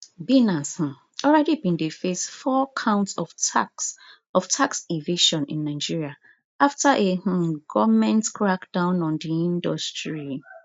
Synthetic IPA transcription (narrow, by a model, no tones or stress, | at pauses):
binash̩ | ɔlɹɛdibĩndefesfɔkʰãʊ̃ntsɔfaks | ɔftʰaksiveʃɔ̃nḭ̃nːaɪd͡ʒiɹia | aftaʔeh̩ɡɔvmɛ̃ntkʰɹakd̥ãʊ̃nɔ̃ndiĩndɔstɹi